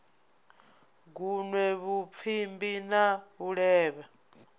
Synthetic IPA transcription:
ɡunwɛβup̪fʰimbinaβuɺɛːβa

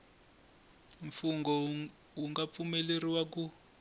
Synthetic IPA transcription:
ɱfuŋɡɔ | wuŋɡap̪fumɛleriwak̬u

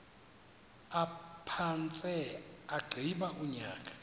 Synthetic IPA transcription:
apʰant͡sʼɛaɡ͡ǃʱiɓaʔuɲaːkʼḁ

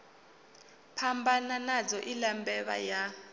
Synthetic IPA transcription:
pʰambananad͡zɔʔilambɛβa̰ja

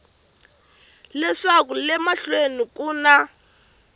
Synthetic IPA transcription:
lɛʂak̬ulɛmaɬwenikuːna

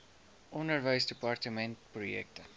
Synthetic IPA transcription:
ʔɔndərvəjsdepɐrtəmɛntprujɛ̰k̚tə

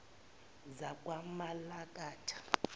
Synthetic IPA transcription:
zakʼwamalakʼaːtʰḁ

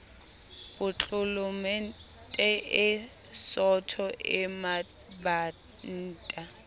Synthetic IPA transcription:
bʊt͡ɬʼʊlʊmɛ | tʼɛʔɪ | sɔtʰɔʔɪmabaːn̩ːtʼa

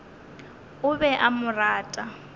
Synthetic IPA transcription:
ʊβɛʔamʊraːtʼa

